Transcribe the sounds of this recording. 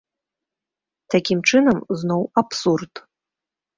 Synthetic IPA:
t̪ʰakʲimt͡ʂɨnɐmznowapsurt̪

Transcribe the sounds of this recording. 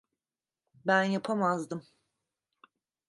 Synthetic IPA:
bænjapʰamazd̪ɯm

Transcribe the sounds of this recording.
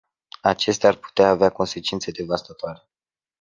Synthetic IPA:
at͡ʃe̞st̪earpu̥t̪eaːveako̞nse̞t͡ʃint̪se̞d̪e̞vast̪at̪oaɾe

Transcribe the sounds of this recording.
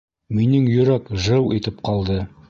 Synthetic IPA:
minɘŋjɵ̆ɾækʒɤwʔit̪ɘp̚qɑlˠd̪ɤ

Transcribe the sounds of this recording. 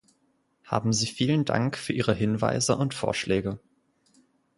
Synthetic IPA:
ha̰ːbm̩ziːfiːlənda̰ŋkfyːɐʔiːʁəɦɪnva̰ɪzəʔʊntfo̰ːɐʃlɛːɡə

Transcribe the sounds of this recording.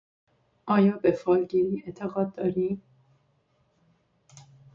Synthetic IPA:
ʔɒːjɒːbefɒːlɟeɾiːet̪ʰeɣɒːd̪̚ːɒːɾiːm

